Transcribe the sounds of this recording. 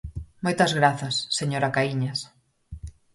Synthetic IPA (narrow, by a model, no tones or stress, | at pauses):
mojt̪ɐzɣɾaθɐsːeɲoɾakaiɲɐs